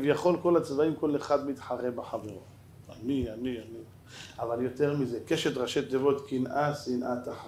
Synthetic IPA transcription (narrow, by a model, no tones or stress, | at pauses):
vjaχo̞lko̞lat͡svaimko̞leχad̪mit̪ħaʁebeħaveʁo̰ | a̰nianiani | avaljo̞t̪e̞ʁmizekeʃet̪ʁaʃet̪̚d̪evo̞t̪kinʔasinʔat̪aħ